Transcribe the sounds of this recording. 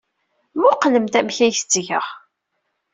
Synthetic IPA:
mʊqːləmt̪æmçæçt͡sːʝə̰ʁ

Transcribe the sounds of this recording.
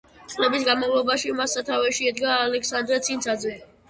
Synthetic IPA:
t̪ʼlɛbisɡanmavlˠɔbaʃimasat̪ʰavɛʃiɛd̪ɡaːlɛkʰsand̪ɾɛt̪sʰint̪sʰad̪zɛ

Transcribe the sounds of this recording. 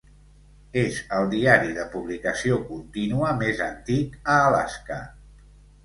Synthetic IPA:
ezəlˠd̪iaɾiðəpuβlikəsiokunt̪inuəmezənt̪ikəːla̰skə

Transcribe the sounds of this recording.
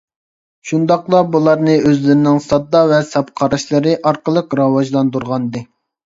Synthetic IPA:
ʃund̪ɑqlˠɑbulˠɑɾnɨøzlɪɾɪnɪŋsɑd̪ːɑvɛsɑpqʰɑɾɑʃlˠɨɾɨʔɑɾqəlˠəqɾɑwɑʒlˠɑnd̪uɾʁɑnd̪ɨ

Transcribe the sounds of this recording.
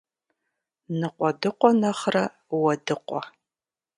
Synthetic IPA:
nɨqʷʼɔdɨqʷɔnɐχrɐ | wɐdɨqʷɔ̰

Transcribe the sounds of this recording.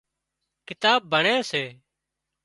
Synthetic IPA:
kɪt̪aːbbʱəɳeːseː

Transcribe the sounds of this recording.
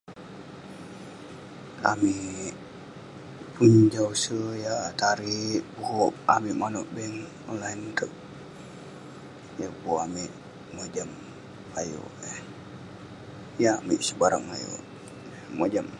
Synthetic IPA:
amiʔʔ | pund͡ʒausəjat̪aɾiʔbuhoʔamiʔmanɔʔbɛŋ | ɔnlainkək̚ | jabuoʔamɪʔ | mod͡ʒamː | ajo̰ʔ | jaamɪʔsəbaɾa̰ŋa̰jo̰ʔ | mod͡ʒam

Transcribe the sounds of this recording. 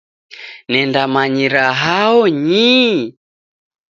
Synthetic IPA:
nɛndamaɲiɾaɦaɔɲi

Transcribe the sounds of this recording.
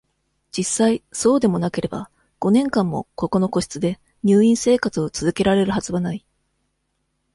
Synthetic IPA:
d͡ʑisːaiso̞ːd̪e̞mo̞nake̞ɾe̞ba̰ | ɡ̥o̞nẽ̞ŋkãmːo̞̰ko̞ko̞no̞ko̞ɕi̥t͡sɨd̪e̞ | ɲ̟ʲɨːĩɰ̃se̞ːkat͡sɨo̞t͡sɨzɨke̞ɾaɾe̞ɾɯ̟ɦazɨβanai

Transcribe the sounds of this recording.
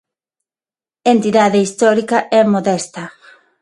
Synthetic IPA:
ent̪iðaðeist̪ɔɾikɐʔɛmoðɛst̪ɐ

